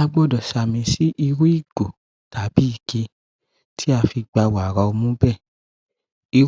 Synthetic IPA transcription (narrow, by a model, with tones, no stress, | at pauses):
a˦˧ɡ͡bɔ˦˨dɔ˨sa˨mĩ˧si˦ʔi˧ɾu˦i˦˨ɡ̥o˨ | ta˨˦bi˨˦i˦˨ke˧ | tʰi˦a˧fi˧ɡ͡ba˧wa˨ɾa˧o˧mũ˦bɛ˦˨ | i˧